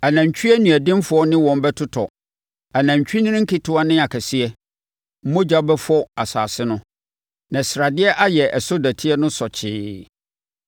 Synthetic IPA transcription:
a˨nã˨ɲ˨t͡ɕᶣɥɛ˦nũ˨æ˨dɪ̃˦mfʊ˨˦ɔ˦nɪ̃˦wɔ̃˨m˨bɛ˦tʰʊ˦tʰɔ˨ | a˨nã˨ɲt͡ɕᶣi˦nɪ̃˦ɪ̃˦ŋ̩˦kʰɪ˦tʰʊ˦a˦nɪ̃˦a˨kʰæ˨sɪ˦ɛ˦ | m̩˦mʊ̃˦d͡ʑa˦bɛ˦fɔ˦a˨sa̰ː˨sɪ˦nʊ̃˦ | nã˨sɾa˨dɪ˦ɛ˦ʔa˦jɛ˨ʔɛ˨so˦dæ˨tʰi˦ɛ˦nʊ̃˦sɔ˨t͡ɕʰɪː˦

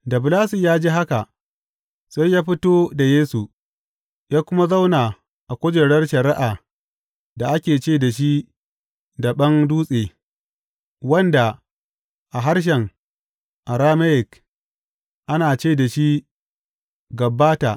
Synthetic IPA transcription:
dɐ˨blaː˦si˨jaː˦d͡ʒiː˦ɦa˦ka˨ʔ | sa˦jːaː˦ɸɪ˦toː˦da˨jeː˦su˨ | jaː˦kʷʊ˦ma˦za˦wnaː˨ | ʔa˨kʷʊ˦d͡ʒɛ˨ɽɐ˦rʃɐ˨ɾɪ˦ʔaː˨ | da˨ʔa˦kʲeː˨t͡ʃeː˦˨da˨ʃ̬i˦ | da˨ɓɐ˦ŋduː˦sʼeː˨ | wɐ˦nda˨ | ʔa˨ɦa˦rʃ̬ɛ˨ŋ | ʔa˨ɾaː˦mɐ˦jɪ˨k | ʔa˦naː˨t͡ʃeː˦da˨ʃi˦ | ɡɐ˨bːaː˦ta̰˨

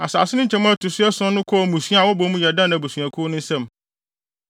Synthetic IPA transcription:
a˨sa̰ː˨sɪ˦nʊ̃˦ɲ̩˦t͡ɕʰɛ̃˦mã˦˨tʰʊ˨sʊ˦ɛ˦sɔ̃˦nʊ̃˦kʰɔ˦˨mũ˨sɥwɔ˦bɔ˨˦mũ˦jɛ˨dã˦nã˨bo˨sɥæ̃˨kʰʊ˦nʊ̃˦n̩˦sɛ̃˦m

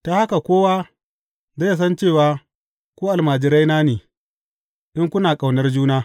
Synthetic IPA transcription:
ta˦ha˦ka˨kʷoː˦waː˦ | za˦ja˨s̬ɐ˦nt͡ʃeː˦˨waː˦ | kʷoː˦ʔa˨lmaː˨d͡ʒɪ˨ɾa˦jnaː˦neː˨ | ʔɪ˦ŋkʷʊ˦naː˨kʼa˨wnɐ˦rd͡ʒuː˦naː˦

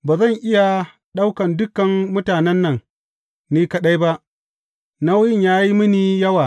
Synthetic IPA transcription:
baː˨zɐ˦˨ŋʔɪ˦ja˨ | ɗa˦wkɐ˨ndʊ˦kːɐ˨mːʊ˦taː˨nɛ˦nːɐ˨ŋ | niː˦kɐ˦ɗa˦jba˦ʔ | na˦wjɪ˦˨ɲjaː˦ji˦mɪ˦niː˨jɐ˦waː˨

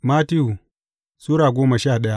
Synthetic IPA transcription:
maː˦ti˦ju˨ | suː˦ɽaː˨ɡʷoː˦ma˨ʃaː˦˨ɗɐ˦ja˦ʔ

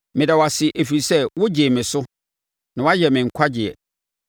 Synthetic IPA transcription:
mɪ̃˨dɛ˨wa˨sɪ˨ʔæ˨fi˨ɾi˨sɛ˦˨wʊ˦d͡ʑe˨mɪ̃˨sʊ˦ | nã˨wa˦jɛ˨mɪ̃˨ŋ̩˨kʷʰa˦d͡ʑɪ˨ɛ̰˨

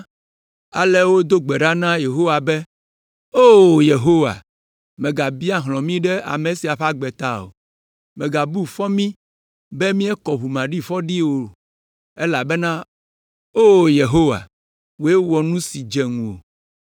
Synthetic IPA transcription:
a̰˨lɛ˦wo˦d̪o˦ɡ͡bɛ˨ɖa˦nã˦je˨ɦo˦wa˨bɛ˦ | o˦˨je˨ɦo˦wa̰˨ | mɛ̃˨ɡa˨bi˦a˦ɦlɔ̃˨mĩ˦ɖɛ˦a̰˨me˨si˨a˨ɸa˦ɡ͡bɛ˨t̪a̰˦o̰˨ | mɛ̃˨ɡa˨bu˦fɔ˦mĩ˦ | bɛ˦mĩ˦ɛ˦kɔ˨βu˨mã˨ɖi˦ɸɔ˦ɖi˦wo˨ | e˦la˨bɛ˦nã˦ | o˦je˨ɦo˦wa̰˨ | wo˨e˦wɔ˨nũ˦si˨d͡ʒɛ˨ŋũ˨o̰˨

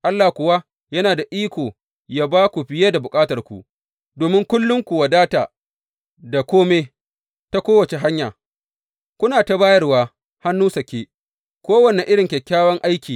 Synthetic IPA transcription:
ʔa˦lːa˨kʷʊ˨wa˦ | jɐ˦naː˨da˨ʔiː˦kʷoː˨ | jaː˦baː˦kʷu˨ɸɪ˨jeː˦da˨bʊ˨kʼaː˦tɐ˨rkʷṵ˨ʔ | doː˨mɪ˦ŋkʷʊ˦lːʊ˦ŋkʷu˨wa˨daː˦taː˨ | da˨kʷoː˦me˦ | ta˦kʷoː˦wɐ˨t͡ʃe˨ɦa˦ɲjaː˨ | kʷʊ˦naː˨ta˨baː˦jɐ˦rwaː˦ | ha˦nːuː˦sɐ˨kʲeː˦ | kʷoː˦wɐ˨ne˨ʔɪ˦ɽɪ˨ŋkʲɛ˨kʲːaː˦wɐ˦ŋʔa˦jkʲiː˨

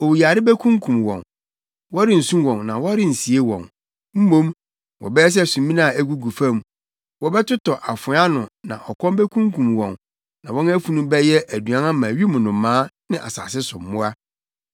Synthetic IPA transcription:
o˨wja˨ɾɪ˦bɛ˦kʰũ˦ŋkʰũ˨mwɔ̰̃˨n | wɔ˦ɾɪ̃˦˨n̩˨sũ˦wɔ̃˨nnã˨wɔ˦a˦ɾɪ˦n̩˨si˨e˦wɔ̰̃˨n | m̩˦mõ˦m | wɔ̰˨bɛ˦ɛ˦s̬ɛ˦˨sũ˨˦mĩ˦nã˦˨æ˦ɡu˦ɡu˨fã˦˨m | wɔ˦bɛ˦tʊ˦tɔ˨ʔa˨fʊ˨˦a˦nʊ̃˨nã̰˨ʔɔ˨kʰɔ̃˦mbɛ˦kʰũ˦ŋkʰũ˨mwɔ̃˨n | nã˨wɔ̃˦næ˦fu˨nũ˦bɛ˦jɛ˦ʔæ˨du˨ã˦nã˦mã˨ɥi˦mʊ̃˨nʊ̃˨˦mãː˦nɪ̃˦ʔa̰˨sa̰ː˨sɪ˦sʊ̃˨mː˨ʊ̃˦a˦

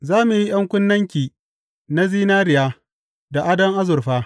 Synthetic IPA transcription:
zaː˦mu˨ji˦j̰ɐ˦ŋkʷʊ˦nːɐ˦ŋkʲiː˨ | na˦ziː˦naː˦ɾɪ˨jaː˦ | da˨ʔa˦dɐ˦ŋʔa˦zʊ˨rɸaː˦

